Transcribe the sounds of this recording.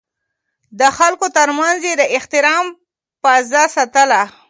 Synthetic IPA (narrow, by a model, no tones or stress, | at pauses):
d̪əxalkot̪əɾmanzjed̪əʔɪht̪ɪɾɑm | pazasat̪əla